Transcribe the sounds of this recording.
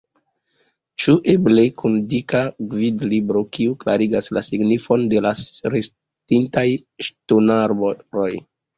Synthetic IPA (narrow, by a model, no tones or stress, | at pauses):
t͡ʃuʔeblekundikaɡvidlibɾo̞kiuklaɾiɡaslasiɡnifo̞nde̞laɾes | tintajʃtonaɾboɾo̞j